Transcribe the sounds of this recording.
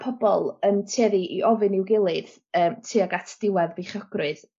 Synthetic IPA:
pʰɔbɔlˠəntʰeːðiʔiʔɔvɨnɪwɡɪlˠɨð | əːmtʰiːaɡatʰd̥ɪwɛðbeχɔɡ̥rɨð

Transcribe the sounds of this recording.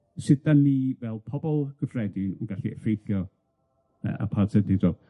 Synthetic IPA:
sɪd̚danːiːvɛlˠpʰɔbɔlˠɡ̥əfrɛdɪnənɡaɬiʔɛfejθjɔ | ə̰a̰pʰadsədɪdɔɡ̥

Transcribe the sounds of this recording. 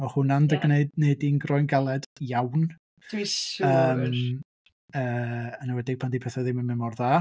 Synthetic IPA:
ɔhʊnandəɡneɨdneɨdinɡrɔjnɡalˠɛd̥jawn | d̥əːm | əːənawɛdɪɡ̥̚pʰandipʰɛθaðɪməmɪmɔrðaː

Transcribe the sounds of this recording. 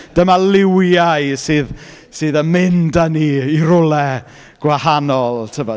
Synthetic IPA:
d̥əmalɪwjaɨsɨːð | sɨːðəmɪndaniːiɾʊlˠɛ | ɡ̥wahanɔlˠtʰəvɔ

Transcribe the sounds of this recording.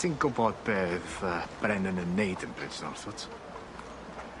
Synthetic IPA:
dʰinɡʊbɔd̚beːθəːb̥rɛnənənejdənbrɪ̥d͡ʒnɔ̰rθʊtʰ

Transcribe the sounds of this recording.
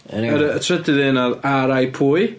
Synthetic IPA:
əɾəːtʰrɛdɪðeːnaðaɾajpʰuːj

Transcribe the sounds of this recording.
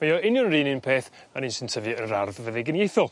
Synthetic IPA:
mejɔɪnjɔnriːninpʰeːθ | aniːnsəntʰəvɨənɾarvvəðɛɡənjejθɔlˠ

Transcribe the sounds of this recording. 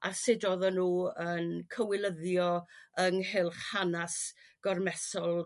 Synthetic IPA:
ʔasɪdɔðɔnuːənkʰəwɪlˠəðjɔəŋɦɪlˠχhanasɡ̥ɔrmɛsɔlˠ

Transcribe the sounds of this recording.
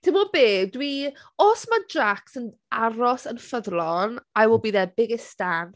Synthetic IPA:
d̥ʰɪmɔbeːdwi | osmadraksən | aɾɔsənfəðlˠɔnawəlˠbiːðɛbɪɡɪstan

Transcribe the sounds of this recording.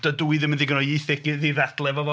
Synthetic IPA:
d̥əduɨðɪmɪnðiɡənɔiθɪkɪðiðad̥lˠɛvɔvɔ

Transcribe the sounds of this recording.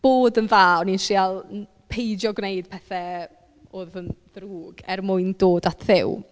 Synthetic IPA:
b̥oːdənvaːɔninʃialˠ | pʰejdjɔɡnejd̥̚pʰɛθɛ | oðənðruːɡɛrmʊɨndoːdatʰðɪw

